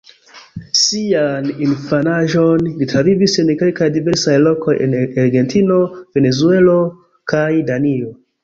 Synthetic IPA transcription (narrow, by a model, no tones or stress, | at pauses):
sianinfanaʒo̞nlitɾavivise̞nke̞lkajdive̞ɾsajlo̞ko̞jḛnaɾɡe̞ntino̞ve̞ne̞zue̞lo̞ | kʰajdanio